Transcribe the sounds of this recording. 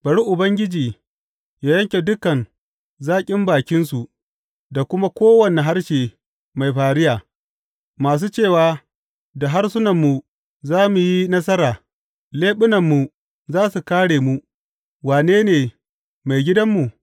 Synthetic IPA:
b̥ɐ˨ɽi˦ʔʊ˨bɐ˦ŋɡʲɪ˦d͡ʒiː˨ | jaː˨jɐ˦ŋkʲe˨dʊ˦kɐ˨n | zaː˦kʲʼɪ˦mbaː˨kʲɪ˦ns̬u˨ʔ | da˨kʷʊ˦ma˦kʷoː˦wɐ˨ne˨ɦa˦rʃeː˨ | ma˨jɸaː˨ɽɪ˦jaː˨ | maː˨s̬uː˦t͡ʃeː˦˨waː˨ | da˨ɦa˦rsʊ˦nɐ˨mːu˨ | zaː˦mu˨ji˦nɐ˦s̬ɐ˦ɾaː˨ | leː˦ɓʊ˦nɐ˨mːu˨ | zaː˦su˨kaː˦ɽeː˨mu˦ | waː˨neː˦neː˨ | ma˨jɡʲɪ˦dɐ˦mːu˨

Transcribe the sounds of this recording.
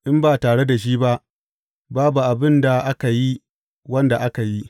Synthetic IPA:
ʔɪ˦mbaː˨taː˨ɽe˦da˨ʃ̬iː˦ba˦ʔ | baː˦bu˨ʔa˨bɪ˦nda˨ʔa˦ka˨ji˦ | wɐ˦nda˨ʔa˦ka˨ji˦ʔ

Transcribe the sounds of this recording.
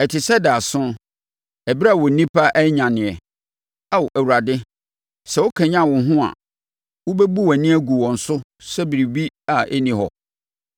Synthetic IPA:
ɛ˨tʰɪ˨sɛ˦da˨a˨sʊ̃˦ | ɛ˨bɪ˦ɾa˦˨wɔ˨˦nĩ˦pʰa˦ʔɛ˦ɲã˨nɪ̃˨ɛ˨ | a˦wʔæ˨wu˨ɾa˨dɪ˦ | sɛ˨wʊ˦kʰã˨ɲã˦˨wʊ̃˨˦ɦʊ̃˦a̰˨ | wʊ˦be˦bu˦wæ˨nĩ˦æ˦ɡu˨wɔ̃˨n̩˨sʊ˦sɛ˦bi˨ɾi˨bi˦a˨ʔɛ˦nĩ˨hɔ̰˨

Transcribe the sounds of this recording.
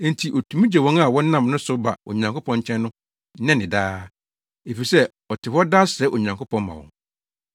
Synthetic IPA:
ntʰi˨ʔɔ˨tʰũ˨mũ˦d͡ʑɛ˨wɔ̃˦na˦˨wɔ̃˦n˦nːã˦˨mnʊ̃˦sʊ˦ba̰˨o̰˨ɲã˨ŋkʰo˦pʰɔ̃˦ɲ˦t͡ɕʰɛ̃˦nː˦ʊ̃˦ | nɛ̃˦nɪ̃˨daː˦ | e˨fi˨sɛ˦ | ɔ˨tʰɪ˨hɔ˦daː˦ɕɛ˨˦ʔo˨ɲã˨ŋkʰo˦pʰɔ̃˦nmã̰˨wɔ̰̃˨˦ŋ

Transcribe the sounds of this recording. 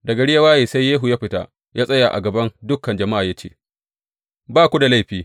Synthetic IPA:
dɐ˨ɡɐ˨ɽɪ˦ja˦waː˦jeː˨sa˦jːeː˦ɦu˨jaː˦ɸɪ˦ta̰˦ | jʔaː˦sʼɐ˦ja˨ʔa̰˨ɡɐ˨bɐ˦ndʊ˦kːɐ˨nd͡ʒɐ˨ma˦ʔaː˨ja˦t͡ʃḛː˦˨ | baː˦˨kʷu˦da˨la˦jɸiː˦

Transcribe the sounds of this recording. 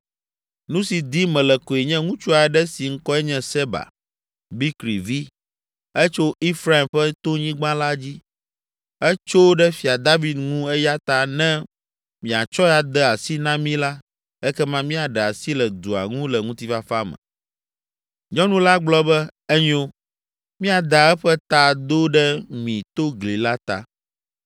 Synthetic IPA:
nũ˦si˨d̪i˦mɛ̃˨lɛ˨ko˨e˨ɲɛ̃˦ŋũ˦t͡ʃu˦a˨ɛ˦ɖɛ˦si˨ŋ̩˦kɔ˦ɛ˦ɲɛ̃˦sɛ˦ba̰˨ | bi˦kɾi˨vi˦ | ɛ˦t͡ʃo˦i˦fɾa˦i˨mɸɛ˦t̪o˦ɲĩ˦ɡ͡bã˦la˦d͡ʑi˦ | ɛ˦t͡ʃo˦wɖɛ˦fi˨a˨d̪a˦vi˨d̪ŋũ˦ɛ˦ja˦t̪a˨nɛ̃˦ | mĩ˨a˨t͡ʃɔ˦ja˨d̪ɛ˦a˨si˦nã˦mĩ˦la˦ | ɛ˦kɛ˦mã˦mĩ˦a˨ɖɛ˨a˨si˦lɛ˨d̪u˨a̰˨ŋũ˦lɛ˨ŋũ˦t̪i˦fa˦fa˦mɛ̰̃˨ | ɲɔ̃˦nũ˦la˦ɡ͡blɔ˦bɛ˦ɛ˦ɲ˦o˦ | mĩ˦a˨d̪a˨ɛ˦ɸɛ˦t̪a˨d̪o˦ɖɛ˦mĩ˨t̪o˦ɡli˨la˦t̪a̰˨

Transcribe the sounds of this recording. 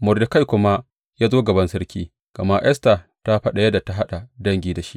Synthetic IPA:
mʊ˨rdɪ˨ka˦jkʷʊ˦ma˦ | jaː˦zoː˦ɡɐ˨bɐ˦nsɐ˦ɾkʲiː˦ | ɡ̥ɐ˨ma˦ʔɛ˦sta˨ | ta˦ɸɐ˦ɗa˨jɐ˦da˨ta˦ɦa˦ɗa˨dɐ˦ŋɡʲiː˦da˨ʃḭ˦ʔ

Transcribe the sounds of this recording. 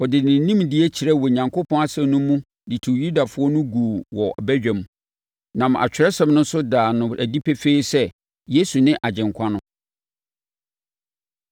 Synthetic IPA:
ɔ˨dɪ˨nɪ̃˨n̩˦nĩ˦mdɪ˦ɛ˦t͡ɕʰi˨ɾɛ˦wɔ˨ɲã˨ŋkʰʊ˦pʰɔ̃˦a˦sɛ̃˦nʊ̃˦mũ˦ | di˨tʰu˨ju˦da˨fʊ˦ɔ˦nʊ̃˦ɡuː˨wɔ˨bæ˦ɥᶣæ̃˨m˨ | nã˨m˨a̰˨t͡ɕᶣɪ˨ɾɛ˦sɛ̃˦˨mnʊ̃˦n˦sʊ˦daː˨nʊ̃˨æ˨di˦pʰe˦feː˦sɛ˦ | je˦su˨nɪ̃˦ʔa˨d͡ʑɪ̃˨ŋkʰã˦nʊ̃˦

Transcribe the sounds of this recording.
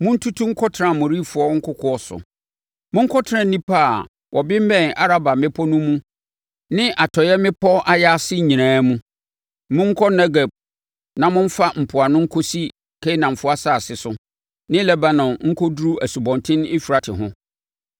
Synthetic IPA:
mʊ̃˦n̩˦tʰu˦tʰu˦ŋ̩˦kʰɔ˦tʰɾã˨mʊ̃˨ɾi˦fʊ˨ɔ˦ŋ̩˦kʊ˦kʰɔ˦ɔ˦sʊ̰˨ | mʊ̃˦ŋ̩˦kʰɔ˦tʰã˦˨nĩ˦pʰa˦˨ | wʔɔ˨bɪ̃˦m̩˦mɛ̃˦˨na˦ɾa˦ba˨mɪ̃˦pʰɔ˦nũ˦mũ˦ | nɪ̃˦ʔa˨tʰɔ˨jɛ˦mɪ̃˦pʰɔ˦a˦jɛ˦a˦sɪ˦˨ɲĩ˨nãː˨˦mũ˦ | mʊ̃˦ŋ̩˦kʰɔ˦na˦ɡa˨b̚ | nã˨mʊ̃˦ɱ̩˦fa˦m̩˨pʰʊ˨a˨nʊ̃˦ŋ̩˦kʰɔ˦si˦ | kʰe˦nã˨m˨fʊ˦a˦sa˦˨sɪ˨sʊ˦ | nɪ̃˦lɛ˦ba˦nɔ̃˨nŋ̩˦kʰɔ˦dɾu˦æ˨su˨bɔ̃˨ntʰɪ̃˦n˦ɪ˦fi˨ɾa˨tʰɪ˨ɦʊ̃˦

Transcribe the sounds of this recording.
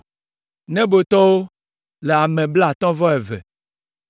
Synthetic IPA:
nɛ̃˦bo˨t̪ɔ˦wo˦ | le˨a˨mɛ̃˨bla˨t̪ɔ̃˦vɔ˦ɛ˨vɛ̰˨

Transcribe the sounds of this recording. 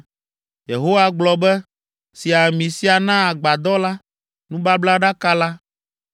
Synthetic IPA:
je˨ɦo˦wa˦ɡ͡blɔ˨bɛ˦ | si˨a˨mĩ˨si˦a˨nã˦a˨ɡ͡ba˨d̪ɔ˦la˦ | nũ˦ba˦bla˦ɖa˦ka˦la˦

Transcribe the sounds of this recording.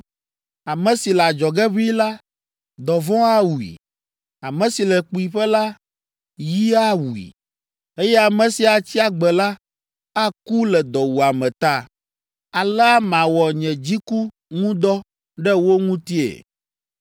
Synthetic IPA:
a˨mɛ̃˨si˨la˨d͡ʒɔ˨ɡɛ˦βi˦la˦ | d̪ɔ˨vɔ̃˦a˦wu˨ḭ˨ | a˨mɛ̃˨si˨lɛ˨k͡pu˨i˨ɸɛ˦la˦ | ji˦a˦wu˨ḭ˨ | e˦jɛ˦a˨mɛ̃˨si˨a˨t͡ɕi˦a˨ɡ͡bɛ˨la˦ | a˦ku˦lɛ˨d̪ɔ˨wu˨a˨mɛ̃˨t̪a˦ | a˨lɛ˦a˦mã˨wɔ˨ɲɛ̃˨d͡ʑi˦ku˦ | ŋũ˦d̪ɔ˦ | ɖɛ˦wo˦ŋũ˦t̪i˦ḛ˨

